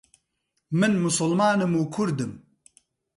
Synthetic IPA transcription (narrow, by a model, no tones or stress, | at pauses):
mɨnmʊsʊlmaːnɨmuːkʰʊɾd̪ɨm